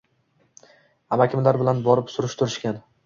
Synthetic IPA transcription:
amakʲʰɪmlaɾbɪlanbɒɾɪpsʊɾɪʃt̪ʰʊɾɪʃkʲan

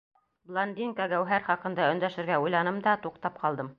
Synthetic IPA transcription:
blˠond̪ʲinkɑɡæwɦæɾχɑqɤ̆nd̪ɑɵ̆nd̪æʃɘ̆ɾɡæujlˠɑnɤmd̪ɑt̪uqt̪ɑp̚qɑlˠd̪ɤm

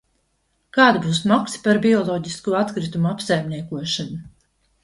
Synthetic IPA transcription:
kaːd̪ibuːsmɔksi̥paɾbiɔlˠɔːɟiskuɔat̪kɾit̪umuapsajmniɛkuɔʃanu

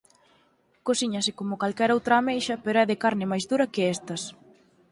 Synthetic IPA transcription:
kosiɲɐsɪkomʊkalkɛɾowt̪ɾaːmejʃɐpeɾoɛðɪkaɾnɪmajzðuɾɐkɪɛst̪ɐs

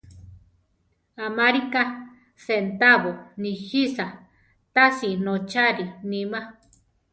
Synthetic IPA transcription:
amaɾika | sent̪aβonihisa | t̪asinot͡ʃaɾinima

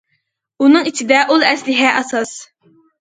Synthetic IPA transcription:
unɨŋit͡ʃʰid̪ɛʔulˠɛslɪɦɛʔɛsɑs

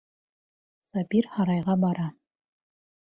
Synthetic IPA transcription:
sɑbiɾhɑɾɑjʁɑbɑɾɑ

